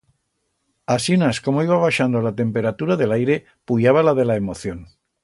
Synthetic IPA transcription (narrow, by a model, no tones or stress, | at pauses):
asinasko̞moiβaβ̞aʃand̪olat̪e̞mpe̞ɾat̪uɾaðe̞lajɾe̞ | puʎaβ̞alaðe̞laemo̞θjon